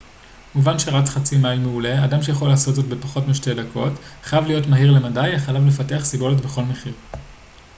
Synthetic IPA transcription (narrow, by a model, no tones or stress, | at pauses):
muvanʃe̞ʁat͡sχat͡simajmeuleadamʃe̞jaχo̞laːsotzo̞tbe̞paχo̞tmeʃte̞dakʰo̞tχajavlijo̞tmaɦiʁle̞madajaχajavle̞fate̞aχsibo̞letbeχo̞lme̞χiʁ